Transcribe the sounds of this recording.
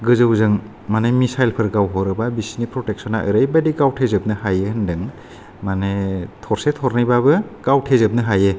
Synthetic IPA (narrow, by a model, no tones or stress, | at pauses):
ɡɯzɯwzɯŋ | manemisajlpʰɯɾɡawɦɔɾɯbabisnipɾɔtek̚sɔnaʔɯɾajbadiɡawtʰezɯp̚nɯɦajɯhɯndɯŋ | manetʰɔɾsetʰɔɾnijbabɯɡ̥awtʰezɯp̚nɯɦajɯ